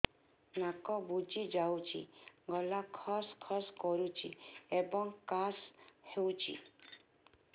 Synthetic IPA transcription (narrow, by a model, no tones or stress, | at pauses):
nakɔbud͡ʒid͡ʒawt͡ʃʰḭɡɔlakʰɔskʰɔskɔɾut͡ʃʰiebɔŋkashewt͡ʃʰḭ